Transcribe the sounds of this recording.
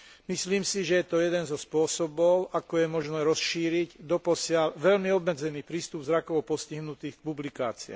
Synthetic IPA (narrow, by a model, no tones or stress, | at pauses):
misliːmsiʒɛjɛt̪ɔjɛd̪ɛnzɔspʊɔsɔbɔʊʔakɔjɛmɔʒnɛːɾɔsʃiːɾiɟd̪ɔpɔsɪalʋɛlmiɔbmɛd͡zɛniːpɾiːst̪ubvzɾakɔʊpɔsciɦnut̪iːxk̚publika̰ːt͡siɛ̰